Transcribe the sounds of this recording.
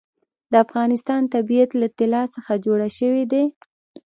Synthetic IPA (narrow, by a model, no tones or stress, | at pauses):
d̪əafɣɑnɪst̪ɑnt̪abijat̪lat̪ɪlɑsəxad͡ʒoɽaʃəwed̪e